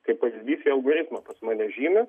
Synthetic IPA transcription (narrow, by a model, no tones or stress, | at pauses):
kɐɪppɐʋʲizʲdʲiːsʲiɐlˠɡoɾʲɪt̪mɐpɐsmɑːnʲɛʒʲiːmʲɐ